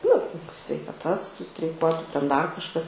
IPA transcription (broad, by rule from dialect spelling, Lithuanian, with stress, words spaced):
nʊ sʲʋʲɛɪkɐˈtɐ sʊsʲtʲrʲɛɪˈkuɔtʊ tʲɛn ˈdɐr kɐʃˈkɐs